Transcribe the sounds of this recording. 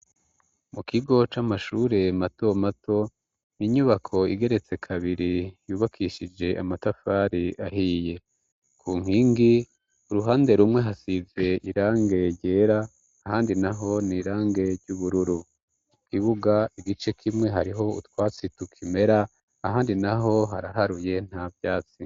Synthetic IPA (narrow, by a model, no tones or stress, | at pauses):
mukʰiɡo̞t͡ʃamaʃuːɾe̞mato̞matʰo̞ | niɲuβakʰo̞iɡe̞ɾe̞t͡se̞kʰaβiɾijuːβakʰiːʃid͡ʒe̞ʔa̰matafaːɾiʔaɦiːje̞ | kʰuːŋ̥hiːŋɡi | uɾuɦaːnde̞ɾumŋe̞ɦasize̞ʔiɾaːŋɡe̞ɾɟe̞ːɾaː | haːndinaɦo̞niːɾaːŋɡe̞ɾɟuβuɾuɾu | kʰiβuɡaiɡit͡ʃe̞kʰimŋe̞ɦaɾiɦo̞ṵtwaːt͡situkʰime̞ɾaː | haːndinaɦo̞ɦaɾaɦaɾuje̞n̥havjaːt͡si